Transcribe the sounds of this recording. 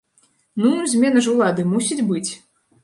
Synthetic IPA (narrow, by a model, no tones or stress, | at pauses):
nuzʲmʲɛnɐʐuwlˠad̪ɨmusʲid͡zʲbɨt͡sʲ